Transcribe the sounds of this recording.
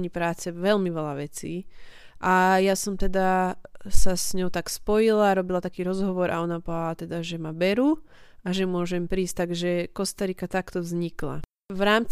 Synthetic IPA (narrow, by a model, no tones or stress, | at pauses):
ɲipɾaːt͡sɛʋɛlmiʋɛlaʋɛt͡sḭː | ʔajasɔmt̪ɛd̪asasɲɔʊt̪akspɔjilaɾɔbilat̪akiːɾɔzɦɔʋɔɾʔa̰ɔnapɔalat̪ɛd̪aʒɛmabɛɾu | aʒɛmʊɔʒɛmpɾiːst̪aɡʒɛkɔst̪aɾikat̪akt̪ɔvzɲikla̰ | ʋɾaːmt͡s